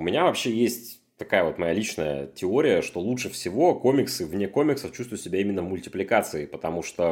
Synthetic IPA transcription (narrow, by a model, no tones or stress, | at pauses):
ʊmʲɪnʲavɐpɕːe̞jesʲtʲ | t̪ɐkajəvo̞t̪mɐjalʲit͡ɕnəjə̰tʲɪo̞ɾʲɪjəʂt̪o̞lˠutʂɨfsʲɪvo̞ko̞mʲɪksɨvnʲeko̞mʲɪksəft͡ɕust̪vʊɪt̪sʲɪbʲaimʲɪnːəvmʊlʲtʲɪplʲɪkat̪sɨɪpət̪ɐmuʂt̪o